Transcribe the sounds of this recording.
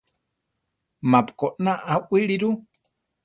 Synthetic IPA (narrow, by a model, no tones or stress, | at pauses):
mapkoʔnaʔaʔiɾiɾu